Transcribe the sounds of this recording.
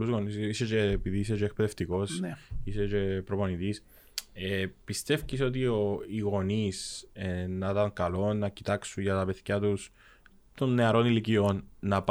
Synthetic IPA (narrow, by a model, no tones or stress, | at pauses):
uzɣo̞nisiset͡ʃeːpiðiiset͡ʃeek̚peðeft̪iko̞siset͡ʃe̞pɾopo̞nit̪is | epist̪e̞fciso̞t̪̬io̞iɣo̞nisenɐt̪ɐŋkɐlo̞nɐcit̪ɐksunʝɐt̪ɐpe̞ðçɐt̪us | t̪o̞nːe̞ɐɾo̞nilicio̞nːɐp